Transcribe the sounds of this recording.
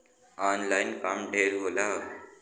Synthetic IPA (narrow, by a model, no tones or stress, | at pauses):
anlajnkamɖʱeɾɦola